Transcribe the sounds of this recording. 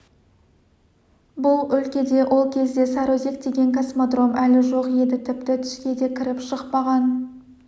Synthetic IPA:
bʊlˠʏlkʲe̞d̪e̞wʔo̞lˠkʲʰe̞zd̪e̞sɑɾoze̞k̚d̪e̞ɡʲe̞ŋkʰasmod̪ro̞mælɪʒo̞qje̞d̪ɪt̪ʰɪpt̪ɪt̪ʰʏ̥ʃkʲe̞d̪e̞kʲʰɪɾɪpʃəqpɑʁɑn

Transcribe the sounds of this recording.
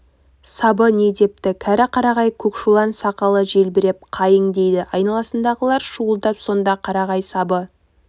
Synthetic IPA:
sɑbəne̞d̪e̞p̚t̪ɪkʲʰæɾɪqʰɑɾɑʁɑjkʲʰɵkʃulˠɑnsɑqɑlˠəʒe̞lbɪɾep̚qʰɑjəɴd̪e̞jd̪ɪʔɑjnɑlˠɑsənd̪ɑʁəlˠɑɾʃuəlˠd̪ɑpso̞nd̪ɑqʰɑɾɑʁɑjsɑbə

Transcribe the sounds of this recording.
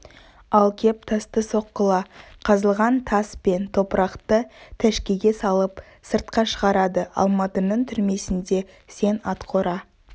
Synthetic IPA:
ɑlˠkʲʰe̞p̚t̪ʰɑst̪əso̞qːəlˠɑqʰɑzəlˠʁɑnt̪ʰɑspe̞nt̪ʰo̞pəɾɑqt̪ət̪ʰæʃkʲeɡʲe̞sɑlˠəp | səɾt̪̚qɑʃəʁɑɾɑd̪əɑ̰lˠmɑt̪ənəɴt̪ʰʏɾme̞sɪnd̪e̞ | se̞nɑt̪qʰo̞ɾɑ

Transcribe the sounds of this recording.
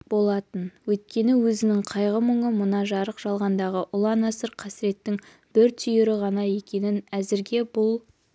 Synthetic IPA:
bo̞lˠɑt̪ənwɵjt̪̚kʲe̞nɪwɵzɪnɪŋqʰɑjʁəməɴəmʊnɑʒɑɾəqʒ̥ɑlˠʁɑnd̪ɑʁəʔʊlˠɑnɑsəɾqʰɑsɪɾe̞t̪ːɪŋ | b̥ɪɾt̪ʰʏjɪɾɪʁɑnɑje̞kʲe̞nɪnæzɪɾɡʲe̞bʊlˠ

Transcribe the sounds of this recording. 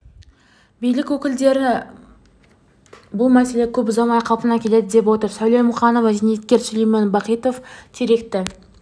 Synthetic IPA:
bijlɪkʲwɵkʲɪld̪e̞ɾɪ | bʊlˠmæse̞le̞kʲʰɵp̬ʊzɑmɑjqʰɑlˠpənɑkʲʰe̞le̞d̪ɪd̪e̞pwo̞t̪əɾsæwlˠejmʊχɑno̞vɑʒenjt̪̚kʲe̞ɾsʏlejmenbɑqijt̪o̞ft̪ʰeɾe̞kt̪ɪ

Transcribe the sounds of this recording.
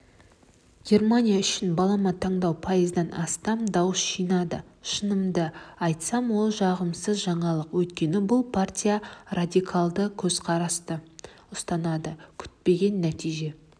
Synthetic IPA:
ɡʲe̞rmanʲijaʏʃɪnbɑlˠɑmɑt̪ʰːɑɴd̪ɑwpʰɑjəzd̪ɑnɑ̰st̪ɑmd̪ɑwəsʒijnɑd̪əʃənəmd̪əɑjt̪sɑmwo̞lˠʒɑʁəmsəzʒɑɴɑlˠəqwɵjt̪kʲe̞nɪbʊlˠpʰartʲijarad̪ʲikʰalˠd̪əkʲʰɵzqʰɑɾɑst̪ə | ʊst̪ɑnɑd̪əkʲʰʏ̥t̪̚pe̞ɡʲe̞nːæt̪ijʒe̞

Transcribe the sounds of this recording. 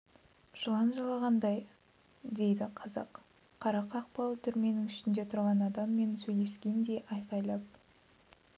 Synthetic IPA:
ʒ̥əlˠɑnʒɑlˠɑʁɑnd̪ɑj | d̪e̞jd̪ɪqʰɑzɑ̰q | qʰːɑɾɑqɑːq̚pɑlˠət̪ʰʏɾme̞nɪŋʏʃɪnd̪e̞t̪ʰʊɾʁɑnɑd̪ɑmːe̞nsɵjle̞skʲe̞nd̪e̞ʔɑjqɑjlˠɑp̚

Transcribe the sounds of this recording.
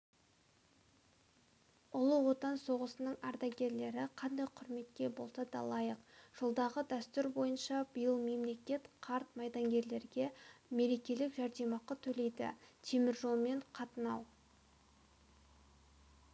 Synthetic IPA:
ʊlˠəwo̞t̪ɑnso̞ʁəsənəɴɑɾd̪ɑɡʲe̞ɾle̞ɾɪqʰɑnd̪ɑjqʰʊɾme̞t̪̚kʲe̞bo̞lˠsɑd̪ɑ̰lˠɑjəqʒ̥ʊlˠd̪ɑʁəd̪æst̪ʏɾbo̞jənʃɑb̥əjəlˠme̞mle̞kʲe̞t̪qʰɑɾt̪mɑjd̪ɑŋɡʲe̞ɾle̞ɾɡʲe̞me̞ɾe̞kʲe̞lɪkʒɑɾd̪e̞mɑqɑt̪ʰɵle̞jd̪ɪ̰t̪ʰe̞mɪɾʒo̞lˠme̞ɴqʰɑt̪ənɑ̰w

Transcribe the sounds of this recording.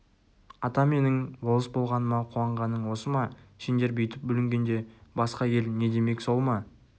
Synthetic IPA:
ɑt̪ɑme̞nɪŋbo̞lˠəsbo̞lˠʁɑnəmɑqʰuwɑɴʁɑnːəɴwo̞səmɑʃend̪e̞ɾbejt̪ɪp̚bʏlɪŋɡʲe̞nd̪e̞bɑsqɑje̞lne̞d̪e̞me̞ksolˠmɑ

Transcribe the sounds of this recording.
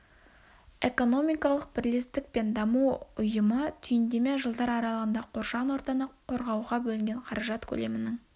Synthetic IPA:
e̞ko̞no̞mijkɑlˠəq̚b̥ɪɾlest̪ɪk̚pe̞nd̪ɑmuʊjəmət̪ʰʏjɪnd̪e̞meʒəlˠd̪ɑɾɑɾɑlˠəʁənd̪ɑqʰo̞ɾʃɑnwoɾt̪ɑnəo̞ɾʁɑwʁɑbɵlɪŋɡʲeɴqʰɑɾɑʒɑt̪kʲʰɵ̰le̞mɪnɪŋ

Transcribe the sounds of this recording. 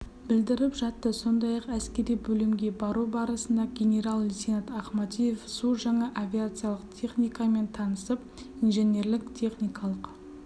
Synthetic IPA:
bɪld̪ɪɾɪpʒɑt̪ːəso̞nd̪ɑjɑqæskʲe̞ɾijbɵlɪmɡʲe̞bɑɾubɑɾəsənd̪ɑɡʲenʲe̞ɾalˠːʲisinat̪ɑχmɑt̪ʲije̞fsuʒɑɴɑʔavʲiat̪sɨjalˠəqt̪ʲʰe̞χnʲijkɑme̞nt̪ʰɑnəsəp̚ | inʒe̞ne̞ɾlɪkt̪ʲʰe̞χnʲijkɑlˠəq

